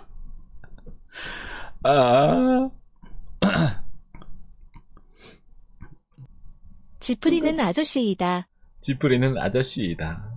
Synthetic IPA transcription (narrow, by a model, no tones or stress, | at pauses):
a | t͡ɕipʰɯɾinɯnad͡ʑʌɕ͈iːda | t͡ɕipʰɯɾinɯna̰d͡ʑʌɕ͈iːda